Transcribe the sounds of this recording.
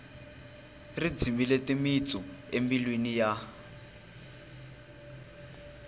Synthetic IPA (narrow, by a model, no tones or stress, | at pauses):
rid͡zimiletimit͡sɔembilwinija